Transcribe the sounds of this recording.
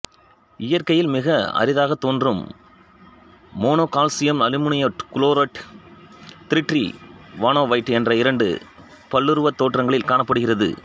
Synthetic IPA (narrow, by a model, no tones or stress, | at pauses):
ɪjɐɾkɐjɪlmɪɣɐɐ̰ɾɪðaːɣɐt̪ːoːndrɯm | oːnoːkaːlsɪjɐmnɐlɪmʊɳɪjɐkʊloːɾɐʈ | t̪ɪɾɪʈːrḭʋaːɳoːʋɐɪʈːɛndrɐɪɾɐɳɖɯ̰ | pɐɭːɯɾɯʋɐt̪ːoːʈrɐŋɡɐɭɪlkaːɳɐpːɐɽɯɣɪrɐðɯ̰